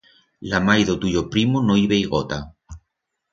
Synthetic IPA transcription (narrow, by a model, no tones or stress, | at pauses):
lamajðot̪uʎopɾimonoiβejɣot̪a